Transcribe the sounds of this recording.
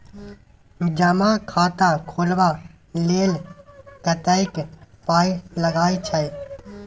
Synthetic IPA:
d͡ʒəmakʰaːt̪akʰolba | lelkət̪əɪkpaːiləɡaːit͡ʃʰəj

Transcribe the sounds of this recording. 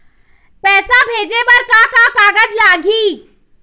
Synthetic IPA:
pɛːsabʱeːd͡ʒebɐɾkakakaːɡəd͡ʒlaːɡiː

